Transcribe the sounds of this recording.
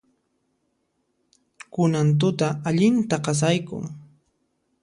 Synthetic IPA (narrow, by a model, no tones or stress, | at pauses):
kʊnant̪̬ʊt̪aaʎɪnt̪aqɑs̬ajkʊ̰ŋ